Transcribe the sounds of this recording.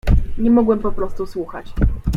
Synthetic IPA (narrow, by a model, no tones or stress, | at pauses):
ɲɛmɔɡwɛmpɔpɾɔst̪uswuxa̰t͡ɕ